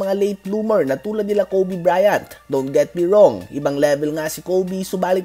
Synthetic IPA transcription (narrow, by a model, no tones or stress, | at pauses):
ɐŋalejt̪luːmɛɹnɐt̪uːlɐd̪̚nɪlakowbibɹaːjɐnt̪d̪ont̪̚ɡɛt̪̚biɹoŋʔɪbɐŋlɛbɛlŋasɪkowbisʊbaːlɪt̪